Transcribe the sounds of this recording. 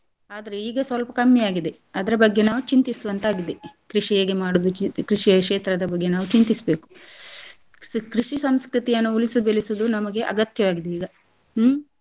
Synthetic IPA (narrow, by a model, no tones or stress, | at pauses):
aːd̪ɐɾeiːɡɐsʋɐlɐpɐkɐmːjɐjaːɡid̪e̞ | ɐd̪ɐɾɐbɐɡːe̞naːʋut͡ʃint̪isuʋɐnt̪aːɡid̪e̞kɾiʂijeːɡemaːɽud̪ut͡ʃkɾiʂijɐʂeːt̪ɾɐd̪ɐbɐɡːe̞naːʋut͡ʃint̪isɐbe̞ːku̥ | kɾiʂisɐmskɾit̪ijɐnːuulisubelisud̪unɐmɐɡe̞ʔɐ̰ɡɐt̪jɐʋaːɡid̪eiːɡɐ